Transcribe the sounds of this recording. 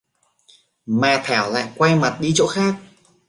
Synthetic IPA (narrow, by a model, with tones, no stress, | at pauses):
maː˨˩t̪ʰɛ˧˩˦wla̰ː˧˨jkwa˧jma˨˩t̚ɗi˧t͡ɕo̰˧˥xaː˦˥k̚